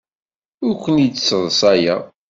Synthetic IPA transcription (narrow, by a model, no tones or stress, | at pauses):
ʊɾkʷːənit͡sːsːəðˤsˤæja